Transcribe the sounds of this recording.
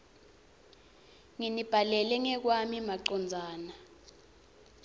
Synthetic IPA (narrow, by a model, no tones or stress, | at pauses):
ŋinib̥ʱalɛlɛŋɛk̬wamimaǃɔnd͡zʱaːna